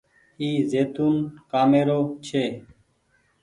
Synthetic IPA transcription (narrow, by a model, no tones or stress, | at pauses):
iːzeːt̪uːnkaːmeːɾoːt͡ʃʰeː